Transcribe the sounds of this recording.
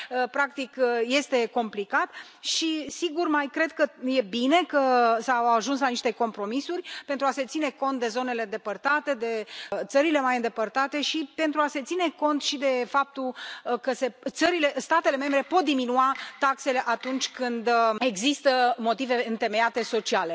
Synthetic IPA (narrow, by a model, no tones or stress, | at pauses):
əpɾak̚t̪ikje̞st̪e̞ko̞mplikat̪ | ʃisiɡurmajkɾe̞d̪̚kəje̞bine̞kəsawaʒunslaniʃt̪e̞ko̞mpɾo̞misuɾʲpe̞nt̪ɾuase̞t̪sine̞ko̞nt̪̚d̪e̞zo̞ne̞le̞ɨnd̪e̞pərt̪at̪e̞d̪e̞t̪səɾile̞majɨnd̪e̞pərt̪at̪e̞ʃipe̞nt̪ɾuase̞t̪sine̞ko̞nt̪ʃid̪e̞fap̚t̪ulkəse̞t̪səɾile̞st̪at̪e̞le̞me̞mbɾe̞po̞t̪̚d̪iminuat̪akse̞le̞ʔat̪unt͡ʃʲkɨnd̪e̞ɡzist̪əmo̞t̪ive̞ɨnt̪e̞me̞jat̪e̞so̞t͡ʃiale̞